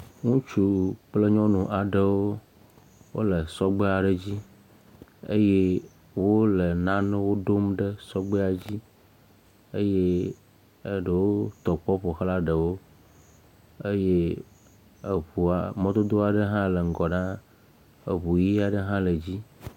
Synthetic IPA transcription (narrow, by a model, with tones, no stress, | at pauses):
ŋũ˦t͡ʃu˨k͡plə˦ɲɔ̃˦nũ˨ʔa˨ɖə˨wo˦ | wo̰˦lə˨sɔ˦ɡ͡be˦a˨ɖə˦d͡ʑi˦ | ḛ˦je˦ | wo˦lə˨nã˦nẽ˦wo˦ɖo˦mɖə˦sɔ˦ɡ͡be˦a˨d͡ʑi˦ | e˦je˦˨ | ɖə˨wo˦t̪ɔ˨k͡pɔ˦ɸo˨xla˦ɖə˨wo˦ | e˦je˦ | e˨ɸu˨a˨mɔ̃˦d̪o˦d̪o˦a˨ɖə˦ɦã˦lə˨ŋ̩˨ɡɔ˨nã˦ | ḛ˨βu˨ji˦a˨ɖə˦ɦã˦lə˨d͡ʑi˦